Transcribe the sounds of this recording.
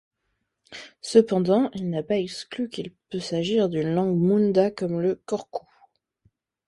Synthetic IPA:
səpɑ̃d̪ɑ̃ilnapaɛksklykilpøsaʒiʁd̪ynlɑ̃ɡmũnd̪akɔmləkɔʁkʰu

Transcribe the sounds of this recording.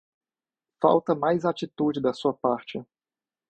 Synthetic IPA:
fa̰wt̪ɐmajzat͡ʃit̪ud͡ʒɪd̪ɐsuɐpaɾt͡ʃɪ

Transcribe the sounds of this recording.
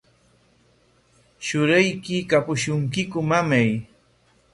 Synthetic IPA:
ʃʊɾajkɪkapʊʃʊŋkɪkʊmamaj

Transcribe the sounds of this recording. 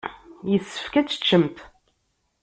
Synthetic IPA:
jəsːə̥fkæt͡sːə̥t͡ʃːəmt̪

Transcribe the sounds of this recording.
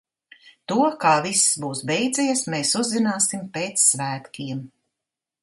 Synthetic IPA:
t̪uɔkaːvissbuːsbɛjd̪zʲɛjɛsmeːsuzːinaːsimpeːt̪sːvæːt̪kʲiɛm

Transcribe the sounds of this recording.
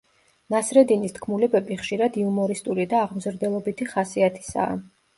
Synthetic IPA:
nasɾɛd̪inist̪ʰkʰmulɛbɛbiχʃiɾad̪iumɔɾist̪ʼuɾid̪aːʁmzɾd̪ɛlˠɔbit̪ʰiχasiat̪ʰi̥sa̰ː

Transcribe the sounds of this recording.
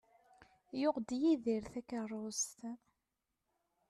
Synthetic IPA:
jʊʁd̪jiðiɾθækərˤːost̪

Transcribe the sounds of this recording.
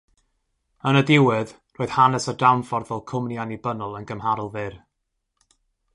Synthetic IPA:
ənədɪwɪð | roːð̥hanɛsədawnfɔrðɛlˠkʰʊmnjanibənʊlˠənɡəmhaɾʊlˠvɪr

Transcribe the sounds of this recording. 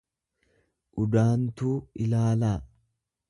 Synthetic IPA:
ʔʊd̪aːnt̪uːɪlaːlaː

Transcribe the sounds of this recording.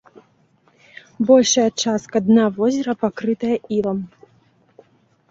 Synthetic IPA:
bɔlʲʂɐjɐt͡ʂaskɐd̪navɔzʲɛɾɐpakɾɨt̪ɐjɐilˠɐm

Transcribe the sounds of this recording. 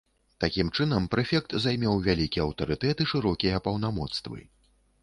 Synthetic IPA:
t̪akʲimt͡ʂɨnɐmpɾɛfʲɛk̚t̪zajmʲɛwvʲalʲikʲiɛɐwt̪ɐɾɨt̪ɛt̪ɨʂɨɾɔkʲijɐpɐwnamɔt̪st̪vɨ̰

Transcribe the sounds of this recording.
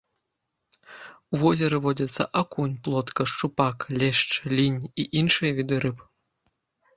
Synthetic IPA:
uvɔzʲɛɾɨvɔd͡zʲɐt̪sːɐ̰ʔakunʲplˠɔt̪kɐʂt͡ʂupaklʲɛʂt͡ʂlʲinʲiʔinʂɨjɐvʲid̪ɨɾɨp

